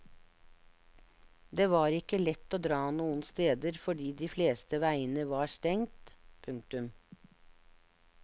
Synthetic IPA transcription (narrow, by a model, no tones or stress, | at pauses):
d̪eːʋɑːɾɪkəlɛt̪ːoːd̪ɾɑːnuːən̩st̪eːd̪əɾfɔɖiːd̪iːfleːst̪əʋæɪənəʋɑːst̪ɛŋt̪pʰʉŋk̚t̪ʉm